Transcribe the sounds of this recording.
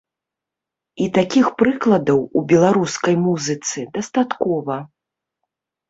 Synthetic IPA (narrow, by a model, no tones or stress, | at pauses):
it̪akʲixpɾɨklˠɐd̪ɐwubʲɛlˠaɾuskɐjmuzɨt̪sɨd̪ɐst̪at̪kɔvɐ